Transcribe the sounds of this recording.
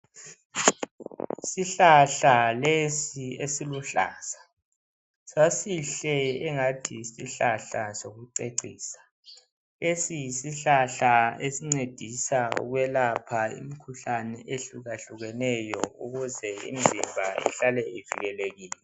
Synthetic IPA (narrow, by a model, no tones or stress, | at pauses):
siɬaɬalesiesiluɬa̰ːsḁ | sasiɬɛɛŋatʰisiɬaɬasoɣuǀeǀiːsḁ | esijisiɬaɬaesiŋ͡ǀed̥ʱisaṵɣwɛlapʰaḭmikʰuɬanɛʔeɬuɣaɬuɣɛnɛjɔuɣuzɛḭnzʱimbʱaɛ̰ɬalɛivḭɣɛleɣiːlɛ